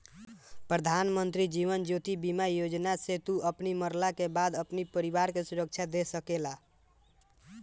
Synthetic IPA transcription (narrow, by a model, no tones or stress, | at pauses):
pɾəd̪ʱanmənt̪ɾid͡ʒiʋənd͡ʒot̪ibimajod͡ʒnaset̪uʔəpniməɾlakebad̪əpnipəɾibaɾkesuɾək̚t͡ʃʰad̪esəkela